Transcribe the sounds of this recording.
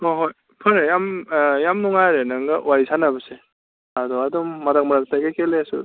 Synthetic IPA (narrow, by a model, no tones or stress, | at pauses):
oɦoj | pʰɯɾejamjamnɔŋajɾenaŋɡawajsʰanabɐse | adɔadɔmːadak̚maɾak̚tajɡakelesṵ